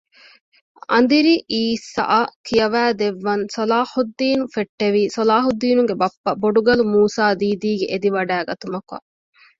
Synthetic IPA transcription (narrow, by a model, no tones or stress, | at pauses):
ɐ̰nd̪iɾiʔiːsa̰ʔɐkijɐʋæːd̪eʋːɐnsɐlaːhud̪ːiːnufeʈːeʋiːsolaːɦud̪ːiːnuŋɡebɐpːɐboɖuɡɐlumuːsaːd̪iːd̪iːɡeʔed̪iʋɐɖæːɡɐt̪umɐkuɐ̰